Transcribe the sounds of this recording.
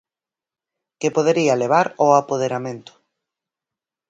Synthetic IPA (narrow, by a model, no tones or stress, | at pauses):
kepoðeɾialeβ̞aɾoapoð̞eɾamẽnt̪ʊ̥